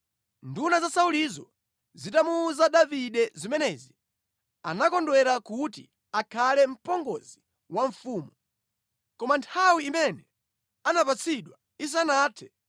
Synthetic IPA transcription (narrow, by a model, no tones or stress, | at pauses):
ndunazasaulizɔ | zitamuːzaɗaviɗɛzimɛnɛːzi | anakɔndwɛɾakutḭ | akʰalɛm̩pɔŋɡɔzi | waɱ̩fuːmu | kɔmantʰawiːmɛnɛ | anapat͡sʰiɗwa | is̬anaːtʰɛ̥